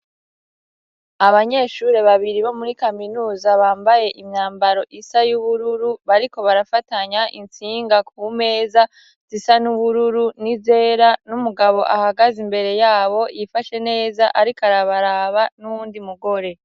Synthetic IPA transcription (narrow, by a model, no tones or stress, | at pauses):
aβaɲe̞ːʃuɾe̞βaβiɾiβo̞muɾikaminuːzaβaːmbaje̞ʔimɲaːmbaɾo̞ʔisajuβuɾuɾuβaɾiko̞βaɾafataɲaʔint͡siːŋɡak̚ʰume̞ːza | z̥isanuβuɾuɾunize̞ːɾanumuɡaβo̞ʔahaɡazimbe̞ɾe̞jaːβo̞ʔifaʃe̞ne̞ːzaʔaɾikaɾaβaɾaːβanuβuːndimuɡo̞ɾe̞